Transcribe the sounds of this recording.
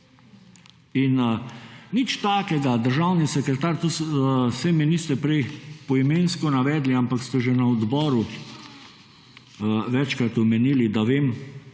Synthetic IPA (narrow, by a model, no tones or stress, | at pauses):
in | nit͡ʃt̪aːkɛɡad̪əɾʒawnisɛkɾɛt̪aːɾt̪ussɛminist̪ɛpɾɛjpɔimeːnskɔnaʋɛːd̪liampakst̪ɛʒɛnaɔd̪bɔːɾu | ʋɛt͡ʃkɾat̪ɔmɛniːlid̪aʋeːm